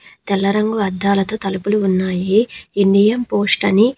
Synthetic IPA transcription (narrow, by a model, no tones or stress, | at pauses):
t̪ɛlːɐɾɐŋɡuɐd̪ːaːlɐt̪o̞ːt̪ɐlupuluːnːaːjiːɳɖijɐmpoːsʈɐni